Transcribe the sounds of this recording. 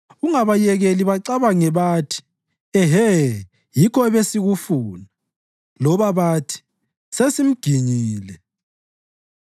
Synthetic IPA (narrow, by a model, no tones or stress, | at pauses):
uŋaβajɛɣeliβaǀaβaŋɛβaːtʰi̥ | ɛɦɛ | jikʰɔɛβesiɣufuːna | lɔβaβaːtʰi̥ | sesim̩ɡ̥ʱiɲiːlɛ